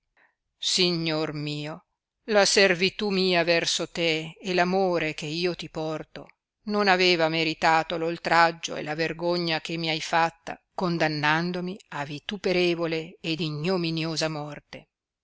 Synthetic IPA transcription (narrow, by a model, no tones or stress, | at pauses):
siɲːormiːo | laservit̪umiːavɛrsot̪eːlamoːɾek̟eiːot̪ipɔrt̪o̰ | nonaveːvameɾit̪aːt̪ololt̪ɾad͡ʒːo̰ḛlaverɡoɲːakemːiajfat̪ːa̰kond̪anːand̪omiavit̪upeɾeːvoleːd̪iɲːominjoːzamɔrt̪e